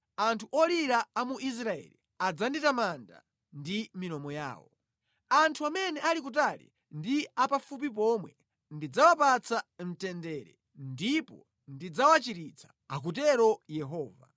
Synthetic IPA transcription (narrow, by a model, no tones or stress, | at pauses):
antʰuʔɔliɾaːmuʔis̬ɾaɛ̰lḭ | ad͡zanditamanda̰ | ndiminɔmɔja̰ːwɔ̰ | antʰuamɛnɛʔalik̬ut̬alḭ | ndiapafup̬ip̬ɔmwɛ | ndid͡zawapat͡sʰam̩tɛndɛːɾɛ̰ | ndipɔ̰ | ndid͡zawat͡ʃiɾit͡sʰḁːk̬utɛɾɔjɛɦɔːva̰